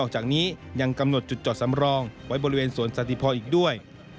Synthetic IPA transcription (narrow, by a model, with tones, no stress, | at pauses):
ɔː˥˩k̚t͡ɕaː˨˩k̚niː˦˥ja˧ŋka˧mno˨˩t̪̚t͡ɕu˨˩t̪̚t͡ɕɔː˨˩t̪̚sa˩˦mɾɔː˧ŋwa˦˥jbɔː˧ɾi˦weː˧nsu˩˦ənsa˧˥t̪ʰi˧˩pʰɔː˧nʔiː˨˩k̚du˥˩əj